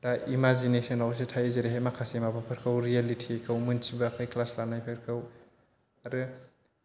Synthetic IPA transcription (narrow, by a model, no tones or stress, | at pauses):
daʔimazinesɔnawsetʰajzeɾeɦajmakʰasemabapʰɐɾkʰɐwɾialitʰikʰɐwmɯnsibɐːkʰajklaslanajpʰeɾkʰɐw | aɾɯ